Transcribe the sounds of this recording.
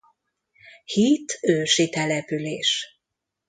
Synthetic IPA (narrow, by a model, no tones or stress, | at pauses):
hit̪ʰøːʃit̪ɛlɛpyleːʃ